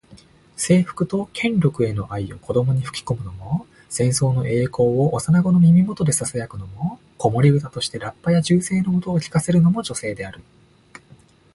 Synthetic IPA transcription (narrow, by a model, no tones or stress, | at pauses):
se̞ːɸɯ̥kɯ̟t̪o̞kʰẽ̞nɾʲo̞kɯ̟e̞no̞ʔaio̞̰kʰo̞d̪o̞mo̞ɲ̟iɸɯ̟̥kʲi̥ko̞mɯ̟no̞mo̞ | sẽ̞ɰ̃so̞ːno̞ʔe̞ːko̞ːoʔːsanaɡo̞no̞mʲimʲimo̞t̪o̞d̪e̞sasajakɯ̟no̞mo̞ | ko̞mo̞ɾʲiɡɯ̟t̪at̪o̞ɕi̥t̪e̞ɾapːajaʑɨːse̞ːnomot̪oːkʲi̥kase̞ɾɯ̟no̞mo̞ʑo̞se̞ːd̪e̞aɾɯ̟